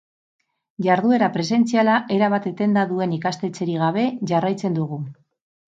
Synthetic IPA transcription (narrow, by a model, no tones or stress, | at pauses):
ʝaɾðue̞ɾapɾe̞se̞nt͡sialaʔe̞ɾaβat̪e̞t̪e̞nd̪aðue̞nikast̪e̞t͡se̞ɾiɣ̞aβ̞e̞ʝarajt͡se̞nd̪uɣu